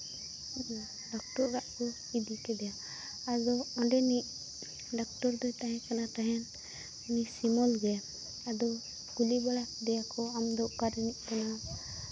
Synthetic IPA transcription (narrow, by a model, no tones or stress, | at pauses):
ɖɔk̚ʈɔɾɾaʔkɔ | id̪ikɛd̪ɛjaː | d͡ʒɔɔɖɛniʔ | ɖɔk̚tɔɾd̪ɔjt̪aɦɛ̃kanat̪aɦɛn | unisimɔlɡɛja | ad̪ɔ | ɡ̥ulibɔlad̪ɛjakɔamd̪ɔʔkaɾiniʔ̚kɔna